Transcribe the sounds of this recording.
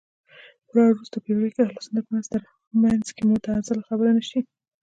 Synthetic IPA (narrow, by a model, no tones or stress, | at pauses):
lɑɾɾust̪apəjɡikeaxlasund̪apəmanz̥t̪əɾ | manzkemʊt̪ɑzalaxabəɾanaʃi